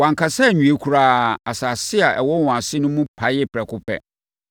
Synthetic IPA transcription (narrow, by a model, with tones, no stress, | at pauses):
wã˨ŋkʰa˨sɛ˦˨ɲᶣũ˨e˦kʰu˨ɾa˨˦a˨sa˨sɪ˦a˨ʔɛ̰˨wɔ˦wɔ̃˨a˨sɪ˦nʊ̃˦mũ˦pʰa˨˦jɪ˦pʰɾɛ˨kʰʊ˦pʰɛ̰˦